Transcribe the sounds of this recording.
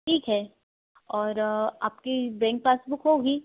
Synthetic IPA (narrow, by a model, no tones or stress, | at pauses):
ʈʰiːkɦɛː | ɔːɾaːpkebɛ̃ːŋk̚paːsbʊkɦoːɡiː